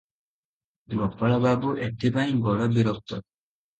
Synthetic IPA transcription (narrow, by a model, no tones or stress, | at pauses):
ɡɔpːaɭababuʔeʈʰːibaj̃bɔɽɔbiɾɔp̚t̪ɔ